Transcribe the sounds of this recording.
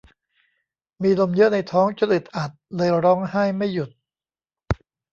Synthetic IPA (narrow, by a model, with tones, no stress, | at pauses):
miː˧lo˧mjɤ˦˥ʔna˧jt̪ʰɔː˦˥ŋt͡ɕa˧lɯ˨˩t̪̚ʔa˨˩t̪̚lɤː˧jɾɔː˦˥ŋhaː˥˩jma˥˩jːu˨˩t̪̚